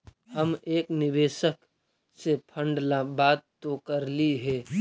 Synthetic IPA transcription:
ɦɐmeːknɪʋeːʃək | sepʰə̃ɳɖlabaːd̪t̪okəɾliɦɛː

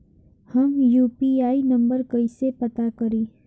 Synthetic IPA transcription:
həmjuːpiaːinɐ̃mbəɾkəisepɐt̪akɐɾiː

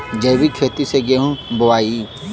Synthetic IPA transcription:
d͡ʒɐjbikʰeːt̪iseɡeɦũboʋaːi

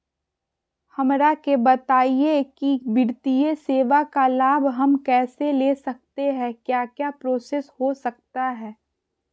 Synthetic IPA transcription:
hɐmɾakebɐt̪aːiekibɪɽt̪ijeseːʋakalaːbʱɦɐmkɛːseleːsɐk̚t̪eɦɛ̃kjaːkjaːpɾoːseːshosɐk̚t̪aɦɛː

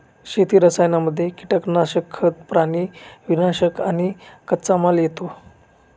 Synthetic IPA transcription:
ɕet̪iːɾəsajnaməd̪ʱːjeki̥ʈəknaɕəkʰːət̪pɾaniʋinaɕəkañikət̪ːt͡samaljet̪o

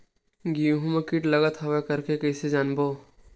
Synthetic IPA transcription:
ɡiɦũmekiʈlɐɡət̪ɦɐʋakɐɾkekəɪsed͡ʒaːnboː

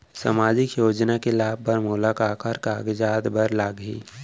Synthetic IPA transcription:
sa̰maːd͡ʒɪkjoːd͡ʒnakelaːbbəɾmuːlaːkaːkʰaɾkaːɡd͡ʒaːd̪bəɾlaːɡɦḭː

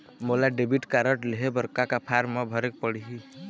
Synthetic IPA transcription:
molaɖebʱiʈkaɾəʈleɦebəɾkakapʰaɾmːebʱəɾek̚pəɽiɦi

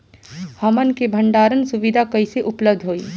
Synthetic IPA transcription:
hɐmənkebʱə̃ɳɖaːɾənsʊʋɪd̪ʱakɐiseʔʊpləb̚d̪ʱɦoːiː

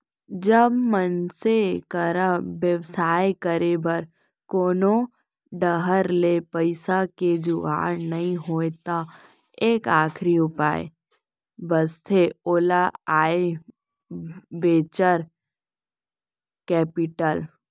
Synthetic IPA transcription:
d͡ʒəbmənsekəɾaʋjəʋsaːekəɾebəɾ | koːnõ | ɖəɦəɾlepəɪsaked͡ʒua̰ːɾnɐɦĩɦoːet̪a | eːkaːkʰɾiʊpa̰ːḛ | bəst̪ʰeoːlaaːe | ʋeːt͡ʃəɾ | kɛːpɪʈəl

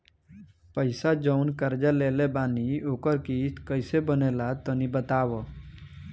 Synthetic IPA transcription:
pəɪsad͡ʒəʊnkəɾd͡ʒaleːlebaːnioːkəɾkiːt̪kəɪsebənelat̪ənibət̪aːʋo

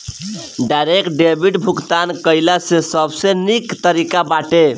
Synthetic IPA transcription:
ɖajɾekʈ̚ɖebʱiʈbʱukt̪ankəɪlasesəbsenikt̪əɾikabaʈe

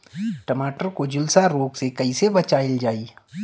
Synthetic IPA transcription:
ʈɐmaːʈəɾkod͡ʒʊlsaɾoːɡsekɐisebɐt͡ʃaːɪld͡ʒaːiː

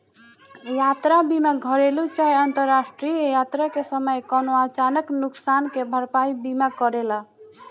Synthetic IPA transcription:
jat̪ɾabimaɡʱəɾelut͡ʃaiənt̪əɾasʈɾiejat̪ɾakesəməjkɔnoat͡ʃanəknʊksankebʱəɾpaibimakəɾela

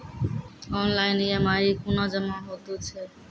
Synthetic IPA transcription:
ɔnlajnijamaikunɔd͡ʒəmaɦot̪ut͡ɕʰe

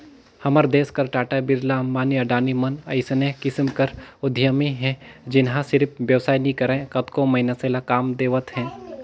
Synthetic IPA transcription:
hɐməɾd̪eːskɐɾʈaːʈabɪɾlamaːniɐɖaːnimɐnɐ̰ɪsnẽkɪsmkɐɾʊd̪ʱjəmiɦɛ̃d͡ʒɪnɦãsɪɾpʰʋjɐʋsaːinĩkɐɾẽkɐt̪komɐɦɪnaseːlakaːmd̪eːʋət̪ɦɛ̃ː

